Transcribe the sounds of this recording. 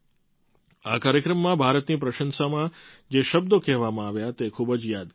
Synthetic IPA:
akaːɾjəkɾəmːãbʱaɾət̪nipɾəʃənsamãd͡ʒeʃəb̚d̪okɛɦʋamãaʋjat̪ekʰubəd͡ʒjad̪

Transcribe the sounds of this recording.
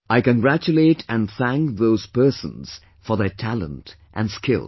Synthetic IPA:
ʔaɪkɨ̃nɡɹæt͡ʃuleɪɾæ̃nθæ̃ŋk̚ðoʊz̥pɜ˞sə̰̃nz̥ | fə˞ðɛ˞tʰælə̰̃nt | ʔæ̰̃nskʰɪ̰lˠ

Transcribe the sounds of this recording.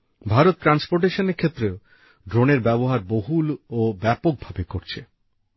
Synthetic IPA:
bʱaɾot̪̚ːɾanspoɾʈ̬eʃoneɾkʰet̪ːɾeo | ɖɾoneɾbɛboɦaɾboɦulobɛpok̚bʱabekoɾt͡ɕʰe

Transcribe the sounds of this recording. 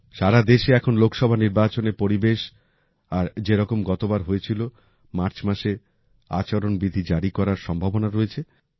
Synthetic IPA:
ʃaɾad̪eʃeɛkʰonlokʃɔbʱaniɾbat͡ɕoneɾpoɾibeʃ | aɾd͡ʑeɾɔkomɡɔt̪obaɾɦoet͡ɕʰilo | maɾt͡ɕmaʃe | a̰t͡ɕaɾonbid̪ʱid͡ʑaɾikɔɾaɾʃɔmbʱabonaɾoet͡ɕʰe

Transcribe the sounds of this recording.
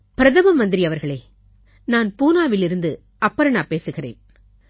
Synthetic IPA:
pɪɾɐðɐmɐmɐnd̪ɪɾiɐʋɐɾɣɐɭeː | naːnpuːnaːʋɪlɪɾɯnd̪ɯ | ɐpːɐɾɐɳaːpeːsɯɣɪrḛːn

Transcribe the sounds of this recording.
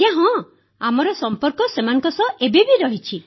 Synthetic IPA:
ãɦɔ̃ | amɔɾɔsɔmpɔɾkɔsemanɔ̃ŋkɔsɔʔebebiɾɔɦit͡ʃʰi

